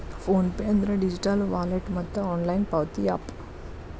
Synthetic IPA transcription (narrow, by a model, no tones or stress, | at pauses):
pʰoːnpeːɐnd̪ɐɾɐɖid͡ʒiʈalʋaːleʈmɐt̪ːɐaːnlɐjnpaːʋt̪iaːp